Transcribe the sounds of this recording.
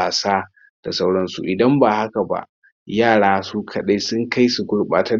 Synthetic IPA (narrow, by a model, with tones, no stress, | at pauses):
a˨saː˦ | d̥a˨sa˦wɽɐ˦nsṵ˨ʔɪ˨dɐ˦mba˨ha˦ka˨ba̰˨ʔ | jaː˦˨ɽaː˦su˦kʰɐ˨ɗa˦jsʊ˦ŋka˦jsu˨ɡʷʊ˦ɽɓa̰ː˨ta˦